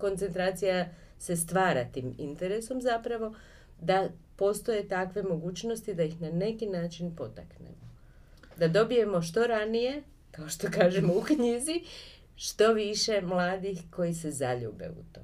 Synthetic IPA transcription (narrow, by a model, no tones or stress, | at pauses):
ko̞nt̪se̞nt̪ɾaːt̪sija | se̞st̪ʋaːɾat̪iːmint̪e̞ɾe̞so̞mzapɾaʋo̞ | d̪a | po̞st̪o̞je̞t̪akʋe̞mo̞ɡuːt͡ʃnost̪id̪ajixnane̞kinaːt͡ʃinpo̞t̪a̰knḛmo | d̪ad̪o̞bije̞mo̞ʃt̪o̞ɾanije̞ | kaoʃt̪o̞kaːʒemoukɲiːzi | ʃt̪o̞ʋiʃe̞mlˠaːd̪ixko̞jise̞zaʎṵːbe̞̰ṵt̪o